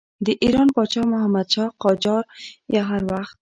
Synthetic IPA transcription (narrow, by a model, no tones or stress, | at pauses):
d̪ɪʔiɾɔnpɔt͡ʃɑmʊhamad̪ʃɔqɔd͡ʒɔɾjaɦaɾwaxt̪̚